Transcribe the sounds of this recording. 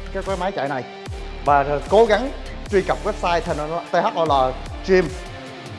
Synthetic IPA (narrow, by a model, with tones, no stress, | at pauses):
kaː˨˦˥kwaː˨˦jmaː˨˦jt͡ɕa̰˧˨jna˨˩j | vaː˨˩˨ko˨˦ɣa˨˦ŋ | t͡ɕwi˧kə˨˩p̚wɛ˦˥p̚saː˧jt̪ʰa˧˩n˧˩˨t̪ə˧ha˦˥k̚ʔɔ˧˦jlaː˨˩ | t͡ɕi˧m